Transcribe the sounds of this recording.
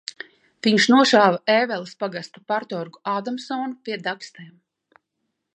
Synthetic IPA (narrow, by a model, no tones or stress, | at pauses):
viɲʃnuɔʃaːvaʔɛːvɛlˠspaɡast̪apaɾt̪ɔɾɡuaːd̪amsɔːnupiɛd̪akst̪ɛːm